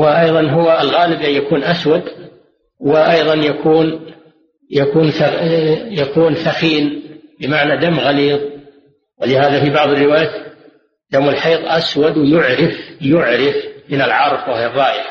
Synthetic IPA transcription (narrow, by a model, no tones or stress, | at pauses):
wɪʔɑjðˤɑnɦʊwaɪlɣaːlɪbjakuːnʔaswad̪ | wɪʔɑjðˤɑnjakʰuːn | jakuːnθajakʰuːnθaxiːnbɪmaʕnad̪amːɣaliːðˤ | wɪlɪhaːðafibɑʕðˤɑrːɪwaːjaː | d̪amɪlħɑjðˤʔaswad̪wɪjʊʕɾɪfjʊʕɾɪfmɪnɪlʕɑɾˤfwaharˤːɑːʔjɪħ